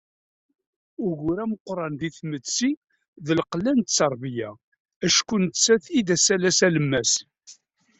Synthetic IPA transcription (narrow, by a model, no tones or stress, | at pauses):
ʊʝʊɾæməqːɾˤɑnðiθmət͡sːi | ðəlqlænt̪t͡sːɑɾˤbjæ | æʃkunt͡sːæθid̪æsælæsæləmːæs